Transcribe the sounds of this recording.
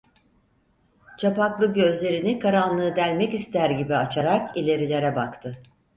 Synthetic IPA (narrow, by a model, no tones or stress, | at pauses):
t͡ʃʰapaklˠɯɟø̞zlʲe̞ɾinikaɾanlˠɯːd̪ælʲmɛcist̪ʰæɾɟibiat͡ʃʰaɾakilʲe̞ɾilʲe̞ɾɛbakt̪ʰɯ